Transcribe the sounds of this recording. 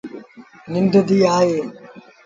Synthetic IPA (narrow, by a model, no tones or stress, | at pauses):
nɪnd̪əd̪iːaːɦeː